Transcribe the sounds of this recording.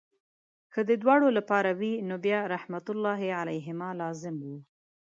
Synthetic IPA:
kəd̪əd̪wɑɽolapɑɾawinobjɑɾahmat̪ʊlːɑɦealajɦɪmɑlɑzɪmwi

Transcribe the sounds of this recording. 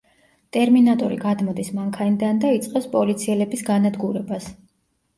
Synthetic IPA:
t̪ʼɛɾminat̪ʼɔɾḭɡad̪mɔd̪ismaŋkʰanid̪and̪ait̪sʼqʼɛpspʼɔlit̪sʰiɛlɛbisɡanad̪ɡuɾɛbas

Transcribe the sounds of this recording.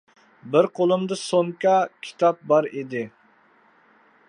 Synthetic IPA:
bɪɾqʰolˠɨmd̪ɨsoŋkɑkʲʰi̥t̪ʰɑp̚bɑɾid̪ɪ

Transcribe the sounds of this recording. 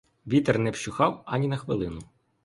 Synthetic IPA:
ʋʲit̪ernɛwʃʊxɑwɐnʲinɐxʋɪlˠɪnʊ

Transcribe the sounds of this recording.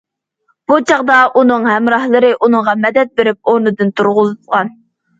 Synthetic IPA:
b̥ut͡ʃʰɑʁd̪ɑʔunɨŋhɛmɾɑhlˠɨɾɨʔunɨŋʁɑmɛd̪ɛt̪̚beɾɪp̚oɾnɨd̪ɨnt̪ʰuɾʁʊzɨt̪ʁɑn

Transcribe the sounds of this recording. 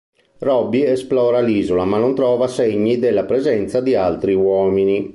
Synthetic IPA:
rɔbːiɛsplɔːɾaliːzolamanːont̪ɾɔːvaseɲːid̪elːapɾɛzɛnt̪sad̪ialt̪ɾiwɔːmini

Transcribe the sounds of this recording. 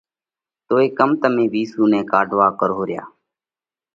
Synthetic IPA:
t̪oːeːkəmt̪əmẽːʋiːsuːnɛ̃ːkaːɖʱʋaːkəɾoːɾɪja̰ː

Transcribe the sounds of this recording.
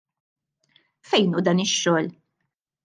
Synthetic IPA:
fɛjnud̪ɐːnɪʃːɔːl

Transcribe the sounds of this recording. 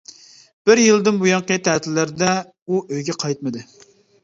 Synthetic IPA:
b̥ɪɾjilˠd̪ɪnbujɑŋqət̪ʰæt̪ʰɪlːæɾd̪ɛ | uøjɡʲɛqʰɑjt̪̚mɨd̪ɨ

